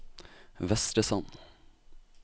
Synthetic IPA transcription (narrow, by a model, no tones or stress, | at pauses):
ʋɛst̪ɾəsɑn